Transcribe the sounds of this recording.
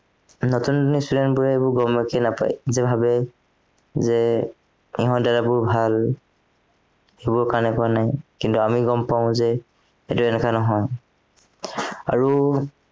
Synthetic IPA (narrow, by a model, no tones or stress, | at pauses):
nɔtundunistudɛntbuɹɛebʊɹɡɔmakɛnapa̰jzɛbʱabɛ | zɛ | iɦɔ̃dalabʊɹbʱal | ejbʊɹkaɹnɛpɔanajkintuamiɡɔmpaʊ̃zɛ | ɛtuɛnɛkanɔɦɔj | a̰ɹu